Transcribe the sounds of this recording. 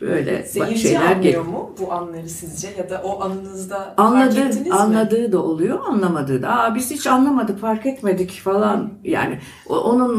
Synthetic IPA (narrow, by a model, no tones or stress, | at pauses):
b̥ø̰jlʲɛ̰̥aiʃḛjlʲæɾɟejomubuanlˠaɾɯsizd͡ʒɛjad̪aʔoʔanɯnɯzd̪aanlˠad̪ɯːnnanlˠad̪ɯːd̪aolˠujo̞anlˠamad̪ɯːd̪aabiz̥hit͡ʃʰanlˠamad̪ɯkfaɾkɛt̪me̞d̪icfalˠanja̰ːnɪ | o̰ʔo̞nun